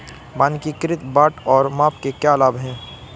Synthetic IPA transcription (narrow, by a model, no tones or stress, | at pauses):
maːnkikɪɾɪt̪baːʈɔːɾmaːpkekjaːlaːbɦɛ̃ː